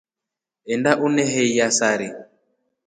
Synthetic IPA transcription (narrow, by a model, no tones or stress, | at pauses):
ɛndaʔunɛɦɛijasaɾi